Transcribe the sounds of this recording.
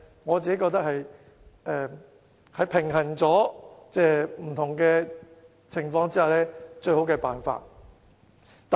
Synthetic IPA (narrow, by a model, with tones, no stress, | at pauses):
ŋɔː˨˧t͡siː˨ke˦˥kɔː˧k̚t̪ɐ˥hɐ˨j | ʔɛː˨˧ | hɐ˨˧jpʰɪ˨˩ŋɦɐ˨˩nt͡sɔː˨˥t͡sɛː˥˧˩m̩˨˩t̪ʰʊ˨˩ŋkɛː˧ | t͡sʰɪ˨˩ŋfɔː˧ŋt͡siː˥haː˨˩lɛː˥t͡ʃɵ˧ɥɦo˨˥wkɛː˧paː˨nfa̰ː˧t̚ | t̪ː